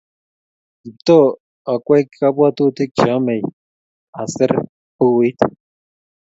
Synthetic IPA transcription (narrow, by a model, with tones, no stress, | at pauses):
i˨t̪o˦ | a˨kʷe˦jkʰa˦pwa˦t̪u˦t̪i˦k̚t͡ʃa˦me˨j | a˨se˦ɾ | pu˦wi˦t̪